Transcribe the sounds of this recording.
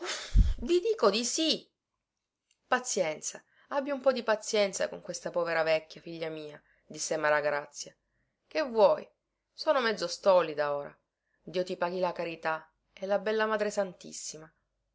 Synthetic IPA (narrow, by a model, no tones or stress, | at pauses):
vid̪iːkod̪isi | pat̪sːjɛnt̪sa | abːiumpɔd̪ipat̪sjɛnt̪sa̰koŋkwest̪apɔːveɾavɛkʲːjafiʎːamiːa | d̪isːemaɾaɡɾat̪sːja | kevːwɔj | soːnomɛd̪zːost̪ɔlid̪aoːɾa̰ | d̪iːot̪ipaːɡilakaɾit̪a | ɛlːabɛlːamaːd̪ɾesant̪ḭsːima